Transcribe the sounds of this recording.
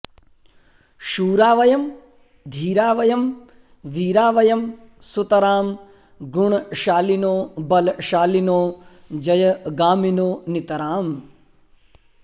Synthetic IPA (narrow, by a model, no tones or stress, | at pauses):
ʃuːɾaːʋɐjɐm | d̪ʱiːɾaːʋɐjɐm | ʋiːɾaːʋɐjɐmsut̪ɐɾaːm | ɡuɳʃaːlinoːbɐlʃaːlinoːd͡ʒɐjɐɡaːminoːnit̪ɐɾaːm